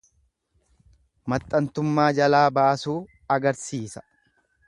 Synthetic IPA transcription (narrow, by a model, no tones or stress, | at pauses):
mɐt̪ʼːɐnt̪ʊmːaːd͡ʒɐlaːbaːʔɐsuː | ɐɡɐɾsiːsɐ̥